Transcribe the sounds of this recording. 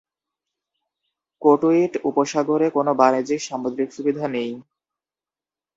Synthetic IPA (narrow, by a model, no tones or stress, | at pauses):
koʈoiʈupoʃaɡoɾekonobaned͡ʑikʃamod̪ɾikʃubid̪ʱanej